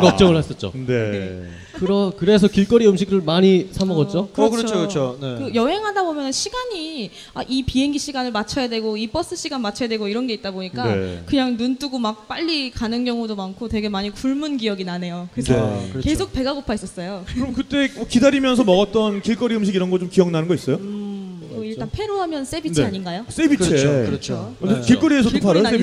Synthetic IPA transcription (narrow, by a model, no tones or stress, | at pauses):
kʌt͡ɕ͈ʌŋɯɭhas͈ʌt̚t͡ɕ͈o̰nee | kɯɾʌkɯɾe̞s̬ʰʌkiɭk͈ʌɾiɯmɕʰik̚ɾɯɭmaɲisʰamʌɡʌt̚t͡ɕ͈okɯkɯɾt͡ɕʰokɾt͡ɕʰoekɯjʌɦe̞ŋɦadabomjʌnɯnɕʰiɡaɲi | aʔipiɦe̞ŋɡiɕʰiɡanɯɭmat͡ɕʰʌjadwe̞ɡoip͈ʌs͈ɯɕ͈ʰiɡanmat͡ɕʰʌjadwe̞ɡoiɾʌnɡe̞it̚t͈aboɲik͈aḛkɯɲaŋnunt͈uɡomak̚p͈aʎːikanɯnɡjʌŋudomankʰotwe̞ɡe̞maɲikuɭmunɡijʌɡinane̞jokkɯɾesʰʌkesʰok̚pe̞ɡaɡopʰais͈ʌs͈ʌjokɯɾʌmkɯt͈e̞kidaɾimjʌnsʰʌmʌɡʌt̚t͈ʌnkiɭk͈ʌɾiɯmɕ̬ʰiɡiɾʌnɡʌɭt͡ɕomkijʌŋnanɯnɡʌis͈ʌjo | ʌiɭtt͈anpʰe̞ɾoɦamjʌns͈ebint͡ɕaɲinɡajos͈ebit͡ɕʰet͡ɕʰekiɭk͈ʌɾiesʰʌopʰaɾʌoe